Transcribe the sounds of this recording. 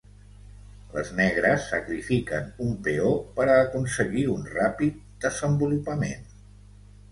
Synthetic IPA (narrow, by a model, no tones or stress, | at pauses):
lə̰znɛɣɾəsːəkɾifikənumpeopəɾːkunsəɣiunrapit̪̚d̪əzəmbulupəmḛn